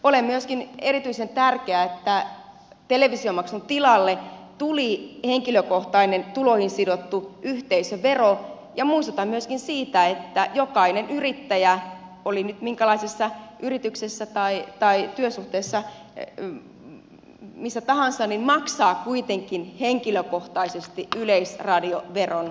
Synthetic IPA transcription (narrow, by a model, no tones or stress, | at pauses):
olemmyøskinerit̪yisent̪ærkeæet̪ːæ | t̪eleʋisiomɑksunt̪ilɑlːet̪uliheŋkiløkoht̪ɑinent̪ulohinsidot̪ːuʔyht̪eisøʋero | jɑmuist̪ot̪ɑmmyøskinsiːt̪æet̪ːæjokɑinenyrit̪ːæjæolinyt̪miŋkælɑisesːɑyrit̪yksesːæt̪ɑit̪ɑit̪yøsuht̪eːsːɑ | misːæt̪ɑhɑnsɑnninmɑksɑːkuit̪eŋkinheŋkiløkoht̪ɑisest̪iyleisrɑdioʋeron